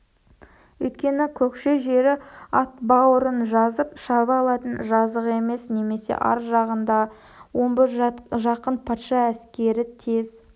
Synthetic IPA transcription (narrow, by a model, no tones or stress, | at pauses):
wɵjt̪̚kʲe̞nɪkʲʰɵkʃeʒe̞ɾɪɑt̪bɑwəɾənʒɑzəpʃɑβɑlˠɑt̪ənʒɑzəqe̞me̞sne̞me̞se̞̰ʔɑ̰ɾʒɑʁənd̪ɑ | wo̞nbɪɾʒɑqənpʰɑt̪ʃɑæskʲe̞ɾɪt̪ʰe̞z